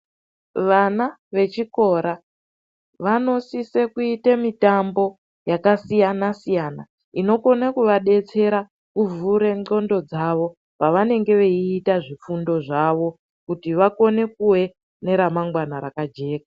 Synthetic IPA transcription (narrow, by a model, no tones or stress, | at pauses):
ʋana | ʋe̞t͡ʃiko̞ɾa | ʋano̞sise̞kuitemitambo̞ | jakasijanasijana̰ | ino̞ko̞nakuʋaɗe̞t͡se̞ɾa | kuvuɾe̞ŋ͡ǃo̞ndo̞d͡zaʋo̞ | paʋane̞ŋɡe̞ʋeiːtaʐifundo̞ʐaʋo̞ | kutiʋako̞ne̞kuwe̞ | ne̞ɾamaŋɡwanaɾakad͡ʒe̞ːka